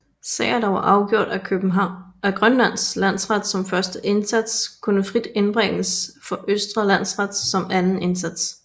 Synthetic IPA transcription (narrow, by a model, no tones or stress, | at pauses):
sɛ̰ːɪɐd̥ɑ̈ʋɑ̈ʔɑ̈ʊɡ̥jo̝ɐ̰d̥ækʰøb̥n̩ɦɑʊ̰æɡ̥ʁɶnlæn̰slæn̰sʁɑd̥sɒ̽mfɶɐsd̥əʔe̝nsæd̥skʰunəfʁid̥e̝nb̥ʁeŋ̰əsfɒ̽ʔøsd̥ʁɐlæn̰sʁɑd̥sɒ̽mænn̩e̝nsæd̥s